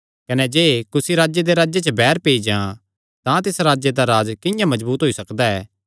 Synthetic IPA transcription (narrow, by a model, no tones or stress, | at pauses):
kɐnɛd͡ʒeːkʊsiɾaːd͡ʒjed̪eɾaːd͡ʒjet͡ʃəbɛːɾpeːid͡ʒã | t̪ãt̪ɪsɾaːd͡ʒjed̪aɾaːd͡ʒkɪ̃jãmɐzbuːt̪ɦoːisɐkd̪aɛ̰ː